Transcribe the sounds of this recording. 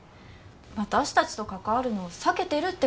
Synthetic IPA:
βat̪aɕi̥t̪at͡ɕi̥t̪o̞kakaβaɾɯ̟no̞ːsake̞t̪e̞ɾɯ̟t̪ːe̞

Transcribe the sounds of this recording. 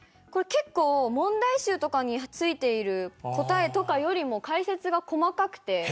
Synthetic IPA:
ko̞ɾe̞ke̞kːo̞ːmõ̞nd̪aiɕɨːt̪o̞kaɲ̟it͡sɨit̪e̞iɾɯ̟ko̞t̪ae̞t̪o̞kajo̞ɾʲimo̞kaise̞t͡sɨɡako̞makakɯ̟̥t̪e̞

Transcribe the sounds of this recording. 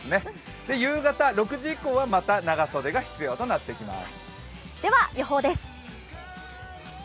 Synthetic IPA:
ne̞ | d̪̥e̞jɯ̟ːɡat̪aɾo̞kɯ̟ʑiikːo̞ːβamat̪anaɡaso̞d̪e̞ɡaçi̥t͡sɨjo̞ːt̪o̞nat̪ːekʲima̰sɨ̥ | d̪̥e̞βajoɦo̞ːd̪e̞sɨ̥

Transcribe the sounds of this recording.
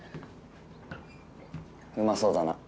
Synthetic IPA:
ɸɯmasoːd̪ana̰

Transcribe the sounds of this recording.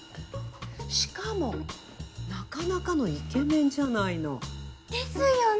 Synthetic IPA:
ɕi̥kamo̞ | nakanakano̞ikẽ̞nẽ̞ɲ̟d͡ʑanaino̞̰d̪̥esɨjo

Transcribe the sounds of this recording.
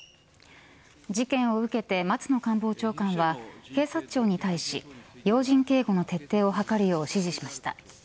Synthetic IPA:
d͡ʑikẽ̞ɰ̃o̞ɯ̟ke̞t̪e̞mat͡sɨno̞kãmbo̞ːt͡ɕo̞ːkãɰ̃βahe̞ːsat͡ɕo̞ːɲ̟it̪aiɕijo̞ːʑĩŋke̞ːɡo̞no̞t̪e̞t̪ːe̞ːo̞ɦakaɾɯ̟jo̞ːɕiʑiɕimaɕi̥t̪a̰

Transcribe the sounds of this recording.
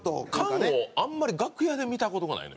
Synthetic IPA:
t̪o̰kãoãmːaɾʲiɡakɯ̟jad̪e̞mʲit̪ako̞t̪o̞ɡana̰ḭno̰

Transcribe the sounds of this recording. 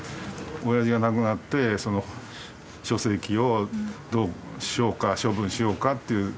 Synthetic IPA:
ojaʑiɡanakɯ̟nat̪ːe̞so̞no | ɕo̞se̞kʲio̞d̪o̞ːɕio̞ːkaɕo̞bɯ̟̃ɰ̃ɕijo̞ːkat̪ːe̞iɯ̟

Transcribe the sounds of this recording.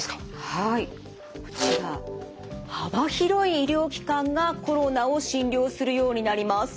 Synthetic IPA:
hai | ko̥iɾa | habaçiɾo̞iːɾʲo̞ːkʲi̥kãŋɡako̞ɾo̞nao̞ɕĩnɾʲo̞ːsɨɾɯ̟jo̞ːɲ̟inaɾʲimasɨ̥

